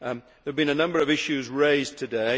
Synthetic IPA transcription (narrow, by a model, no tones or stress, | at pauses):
ðəvbĩnənʌ̃mbə˞ʌvɪʃʉzɹeɪztʰɨdeɪ